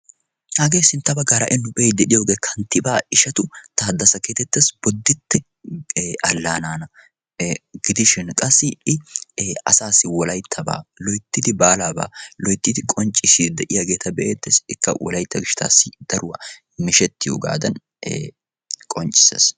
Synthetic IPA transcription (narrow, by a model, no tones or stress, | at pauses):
haːɡeːsɪnt̪ːɐbɐɡaːɾɐ̰ʔɪnːʊbeːd̪ɛᶑɪjo̞ːɡe̞ːkʰɐnt̪ːɪbaːɪʃɐt̪ʊt̪aːd̪ːɐsɐkeːt̪ɛt̪ːesb̥ɔd̪ːɪt̪ːɛ | ʔɐlːaːnaːnɐ | ɡɪd̪ɪʃɪnkʼɐsːɪɪ | ɐ̰saːsːɪwɔlɐjt̪ʰːɐba̰ːlɔjt̪ːɪd̪ɪbaːlaːba̰ːlɔjt̪ːɪd̪ɪkʼɔnt͡ʃʼɪsid̪ɛʔɪjaɡe̞ːt̪ʰɐbɛʔeːt̪ːesɪkːɐ̰wɔ̰lɐjt̪ːɐɡɪʃɪ̥t̪ʰa̰ːsːɪd̪̥ɐɾʊwɐ | mɪʃɛt̪ːɪjo̰ːɡa̰ːd̪ɐn | kʼɔnt͡ʃʼːɪ̥sḛs